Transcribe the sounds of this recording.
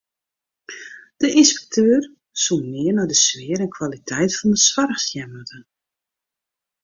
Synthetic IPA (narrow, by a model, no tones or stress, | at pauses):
d̥əʔinspɛ̥k̚tʰøːr | sunmɪənɔjdəsʋɪəɾɛnkʰwalitʰɛjtfɔndəswarxsjɛmədən